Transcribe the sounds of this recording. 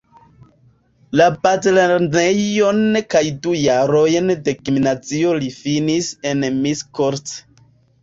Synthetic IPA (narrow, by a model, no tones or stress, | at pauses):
lapatleɾnejonkajdujaɾojndekiminat͡siolifinise̞nmiskoɾt